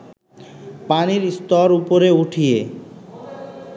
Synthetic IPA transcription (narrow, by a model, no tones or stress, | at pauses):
paniɾst̪ɔɾupoɾeuʈʰije